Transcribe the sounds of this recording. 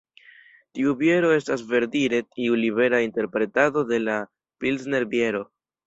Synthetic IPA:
tiubje̞ɾo̞e̞stasve̞ɾdiɾe̞tiuliβe̞ɾainte̞ɾpɾe̞tado̞de̞la | pilsne̞ɾbje̞ɾo̞

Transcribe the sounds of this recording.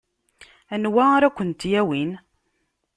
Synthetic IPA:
ænwæaɾækʷːənt̪jæwin

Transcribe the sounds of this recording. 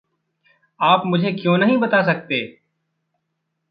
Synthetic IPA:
aːpmʊd͡ʒʱekjõnɐɦĩbɐt̪as̬ɐk̚t̪eː

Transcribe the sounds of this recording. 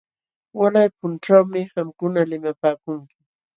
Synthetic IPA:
walajpʊnʈ͡ʂawmɪhamkʊnalɪmapaːkʊŋkɪ̥

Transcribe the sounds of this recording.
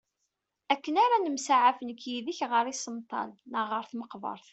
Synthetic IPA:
ækːənaɾanəmsaʕafənkːjiðiçʁəɾˤisəmt̪ˤɑ̰lnəʁəɾθməqvɑ̰ɾˤθ

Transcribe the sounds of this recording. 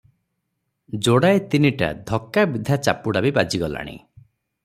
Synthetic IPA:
d͡ʒoɽaet̪iniʈa̰d̪ʱɔkːabid̪ʱat͡ʃa̰puɽabibad͡ʒiɡɔla̰ɽ̃ḭ

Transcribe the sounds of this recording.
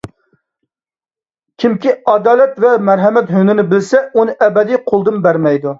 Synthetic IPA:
kʲʰimkʲiɑd̪ɑːlɛt̪vɛmæɾɦɛmɛt̪ɦønɪnɪbɪlsɛunɨʔɛbɛd̪ijqʰolˠd̪ɨnbæɾmɛjd̪u

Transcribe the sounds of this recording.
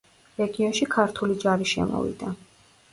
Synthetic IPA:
ɾɛɡiɔnʃikʰaɾt̪ʰulid͡ʒaɾiʃɛ̰mɔ̰vḭd̪a

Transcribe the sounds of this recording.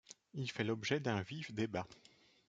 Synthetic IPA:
ilfɛlɔbʒɛd̪ɛ̃vifd̪eba

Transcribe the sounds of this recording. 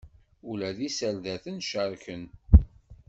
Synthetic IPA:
ulæðisælðæθənʃəɾˤçən

